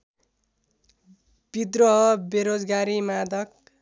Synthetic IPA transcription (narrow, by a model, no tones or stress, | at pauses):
b̥id̪rʌɦʌbeɾod͡zɡaɾimad̪ʌk̚